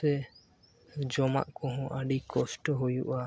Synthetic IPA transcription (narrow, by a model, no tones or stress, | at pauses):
ɛ | d͡ʒɔma̰ʔkɔ̃ɦɔ̃ʔaɖikɔsʈɔɦujuʔa